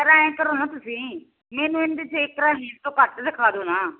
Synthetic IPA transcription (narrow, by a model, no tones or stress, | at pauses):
əɾãːẽːkəɾoːnãːt̪ʊsĩː | mɛːnũːend̪ɪt͡ʃʰekɾaːɦiːnt̪õːkəʈsɪkʰaːd̪oːnaː